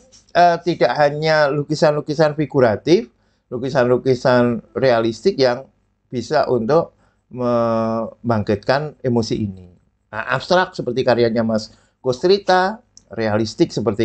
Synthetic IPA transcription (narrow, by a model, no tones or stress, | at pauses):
ʔət̪idaʔhaɲalukisanlukisanfiɡuɾat̪ɪf | lukisanlukisanrealist̪ɪk̚jaŋ | b̥isaʔunt̪ʊk̚ | mə | baŋkɪt̪̚kanemosiʔːni | ə̰ʔa̰pst̪ɾak̚səpərt̪ikaɾiaɲamas | kost̪ɾit̪arealist̪ɪk̚səpərt̪i